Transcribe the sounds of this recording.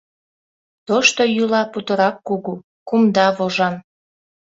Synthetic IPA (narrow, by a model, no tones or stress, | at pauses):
t̪oʃt̪ojulɑput̪ə̆ɾɑkːuɣu | kumd̪ɑβoʒɑn